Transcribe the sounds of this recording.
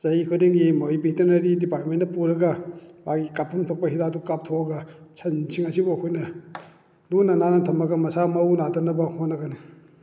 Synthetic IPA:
zɐjikʰudiŋɡimojbitɐɾnɐɾidipaɾt̚mendɐpuɾɐɡɐmaɡikapʰumtʰok̚pɐɦidadukap̚tʰoɐɡɐsʰɐnsʰiŋɐsibokʰojnɐ | lunananɐtʰɐmɐɡɐmɐsamɐwnatʰanːɐbɐhotnːɐɡɐni

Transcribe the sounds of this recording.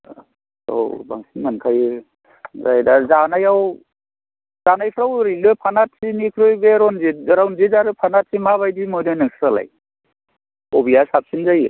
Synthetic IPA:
o̰ba̰ŋsinmankʰaj | zajdazanajaw | zanajpʰɾawɾilɯpʰanat̚sinikʰɾɯjbeɾɔnziɾawnzizaɾɯpʰanat̚simaβajdimɔnɯnɯŋsɾala̰j | ɔbijasap̚sinzajɯ

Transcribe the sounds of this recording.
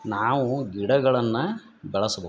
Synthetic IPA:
naːʋuɡiɽɐɡɐɭɐnːɐ | bɛɭɐsɐbɐ

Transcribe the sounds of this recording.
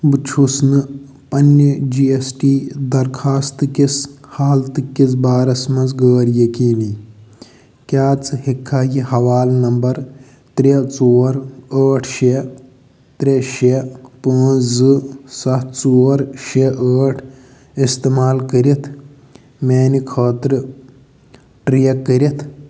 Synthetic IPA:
bɨt͡ʃʰusnɨ | pɐnːəd͡ʒiːesʈiːd̪ɐɾkʰaːst̪ɨkishaːlt̪ɨkːit͡sbaːɾɐsmɐnzɡəːɾjɐkiːli | kʲjaːt͡sɨhikʰːaːjihɐʋaːlnɐmbɐɾ | t̪ɾʲet͡soːɾəːʈʰʃe | t̪ɾʲeʃepə̃ːt͡szɨsɐtt͡soːɾʃeʔəːʈʰ | ist̪emaːlkəɾit̪ʰ | meːnikʰəːt̪ɾɨ | ʈɾijɐkːəɾit̪ʰ

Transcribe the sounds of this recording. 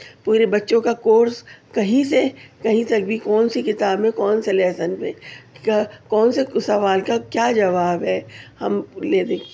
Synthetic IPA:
puːɾebɐtːʃõkakoːɾskɐɦĩsekɐɦĩsɐk̚bʱikɔːnsikɪt̪aːbmẽkɔːnselɛːsənpḛ̃ | kɔːnsesɐʋaːlkakjaːd͡ʒɐʋaːbɦɛːhɐ̰mleːd̪eːk

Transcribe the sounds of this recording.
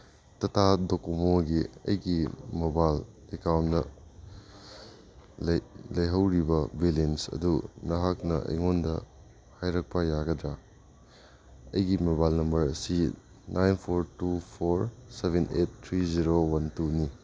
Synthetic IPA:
tɐtʰadokomoɡiɐ̰jɡimobal | ekawnnɐ | llɐjɦɐwɾibɐbilensɐ̰dunɐɦak̚nɐʔɐ̰jŋondɐ̰ | hajɾɐk̚pɐjaɡɐdɾa | ɐjɡimebalnɐmbɐɾsi | nʔajnpʰoɾtupʰoɾsebʱenettʰːɾiziɾowɐntuni

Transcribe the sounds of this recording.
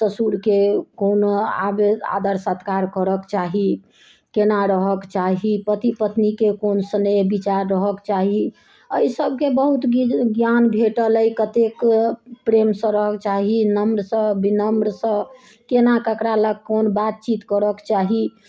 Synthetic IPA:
t̪əsuɾkekonoa̰bea̰d̪əɾsət̪ʰkaɾkəɾəkt͡ʃaɦi | kenaɾəɦəkt͡ʃaɦipət̪ipət̪nikekonsənəbit͡ʃaɾːəɦəkt͡ʃaɦi | əisəb̚ʱkebəɦut̪ɡjanbʱeʈələjkət̪ekpɾemsə̃ɾəɦəkt͡ʃaɦinəmɾsə̃binəmɾsə̃ | kenakəkɾaləɡ̚konbat̪̚t͡ʃit̪kəɾəkt͡ʃaɦi

